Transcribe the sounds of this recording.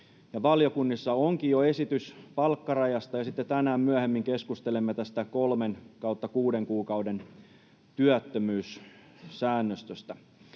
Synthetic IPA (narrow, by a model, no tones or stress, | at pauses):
jɑʋɑljokunːisːɑoŋkijjoe̞sit̪yspɑlkːɑrɑjɑst̪ɑjɑsit̪ːet̪ænæːmmyæhemːiŋkeskust̪elemːet̪æst̪ækolmenkɑut̪ːɑkuːdeŋkuːkɑwde̞n | t̪yæt̪ːømyːs | sæːnːøst̪øst̪æ